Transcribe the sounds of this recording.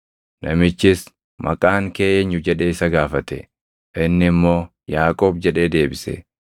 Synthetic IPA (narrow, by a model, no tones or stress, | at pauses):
nʔɐmɪt͡ʃːɪs | mɐ̰kʼaːŋkeːʔeɲːʊd͡ʒɛᶑe̞ːɪsɐɡaːfɐt̪ɛ | ʔɪnːɪmːo̞ː | jaːkʼo̞ːbd͡ʒɛᶑe̞ːd̪e̞ːbɪsɛ̰